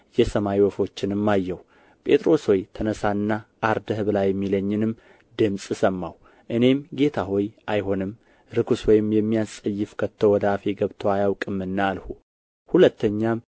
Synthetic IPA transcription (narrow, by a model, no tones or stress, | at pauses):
jɛsəmajiwɔfo̞t͡ʃːɪnɨmːajːɛw | pʼe̞t̪ʼɾo̞swojt̪ʰənəsanːaʔːɾd̪əhɨβɨlajːɛmːiləɲːɪnɨm | d̪ɨmsʼsəmːaw | ʔɨne̞mɡe̞t̪ʰaho̞jʔajɦo̞nɨm | ɾɨkʰuswɔjɪmjɛmːijasʼəjːɪfkʰət̪ʰːowɔd̪əafeɡəβt̪ʰoajawkʼɨmːɨnːaːlhu | hulət̪ʰːəɲːam